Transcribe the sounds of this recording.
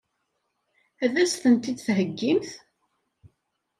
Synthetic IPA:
æðæsθənt̪id̪θɦəɡːimθ

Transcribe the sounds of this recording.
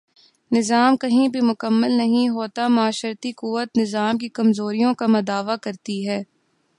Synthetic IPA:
nɪzaːmkɐɦĩbʱimʊkəmːəlnɐɦĩɦoːt̪amʊaːʃəɾt̪ikuʋət̪nɪzaːmkikɐmzoːɾijõkamɐd̪aːʋakɐɾt̪iɦɛː

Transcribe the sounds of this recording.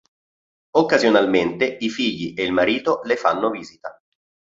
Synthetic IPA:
okːazjonalment̪eifiʎːiʔeilmaɾiːt̪olefa̰nːoviːzit̪a

